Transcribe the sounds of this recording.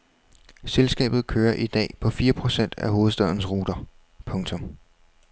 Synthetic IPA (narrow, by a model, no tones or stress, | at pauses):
selsɡ̥ɛ̰ːb̥ð̞̩ˠkʰøːɐʔid̥ɛ̰ːpʰɒ̽fiːɐpʰʁo̝sen̰d̥æɦo̝ːð̞̩ˠsd̥øð̰ˠɐnəsʁuːd̥ɐ | pʰɔ̽ŋt͡sʰɔ̽m